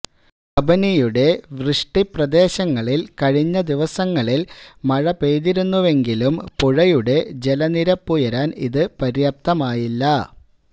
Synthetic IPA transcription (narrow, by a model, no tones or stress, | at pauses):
ɐbɐnijuɽe̞ʋrɨʂʈiprɐd̪e̞ːɕɐŋːɐɭilkɐɻiɲːɐd̪iʋɐsɐŋːɐɭilmɐɻɐpe̞ːðiɾunːuʋe̞ŋɡilumpuɻɐjuɽe̞d͡ʑe̞lɐniɾɐpːujɐɾaːnḭðɨpɐɾjɐp̚t̪ɐmaːjilːɐ